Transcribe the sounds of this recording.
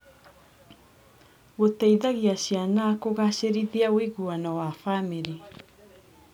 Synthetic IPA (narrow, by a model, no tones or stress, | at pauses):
ɡotejðaɣiasianaːkoɣaseɾiðiawiɡuanawafamiɾi